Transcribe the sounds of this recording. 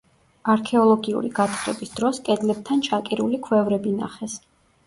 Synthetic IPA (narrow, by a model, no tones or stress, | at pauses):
aɾkʰɛɔlˠɔɡiṵɾḭɡat̪ʰχɾɛ̰bisd̪ɾɔskʼɛd̪lɛb̚t̪ʰant͡ʃʰakʼiɾulikʰwɛvɾɛbina̰χɛs